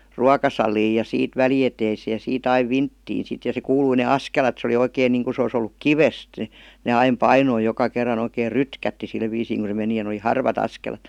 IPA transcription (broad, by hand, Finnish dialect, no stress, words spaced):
ruɑkɑsɑliːj jɑ siːt ʋælieteiseːj jɑ siːt ɑiʋ ʋintːiːn sit jɑ se kuːlui ne ɑskelɑt se oli oikeiŋ niːŋku se os olːuk kiʋest ne ɑim pɑinoi jokɑ kerːɑn oikeːr rytkætːi sil ʋiːsiːŋ ku se meni jɑ n oli hɑrʋɑt ɑskelɑt